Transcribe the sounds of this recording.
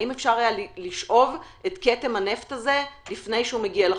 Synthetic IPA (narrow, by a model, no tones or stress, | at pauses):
imefʃaʁajalliʃʔo̞vʔetketemhane̞ft̪aze̞lifne̞jʃehumeɡiale